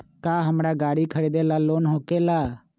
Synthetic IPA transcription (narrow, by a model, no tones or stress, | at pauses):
kaːɦəmɾaːɡaːɽikʰəɾiːd̪eːlaːloːnɦõːkeːlaː